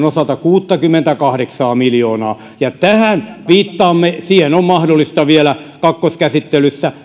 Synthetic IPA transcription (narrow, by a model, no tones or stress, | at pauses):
nosɑt̪ɑkuːt̪ːɑkymːent̪ækɑhɾeksɑːmiljoːnɑː | jɑt̪æhænʋiːt̪ːɑːmːesiːhenommɑhdolːˑist̪ɑʋielækɑkːoskæsit̪ːelysːæ